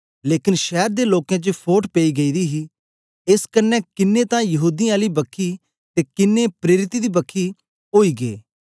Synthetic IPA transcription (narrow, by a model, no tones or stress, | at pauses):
leːkɪnʃɛːɾd̪eːloːkjãt͡ʃəpʰoːʈpeiɡɐid̪iɦi | eskənːɛkɪnːet̪ãjɐɦuːd̪iaːlibɐkʰːi | t̪ekɪnːepɾeːɾɪt̪id̪iːbɐkʰːi | oːiːɡḛː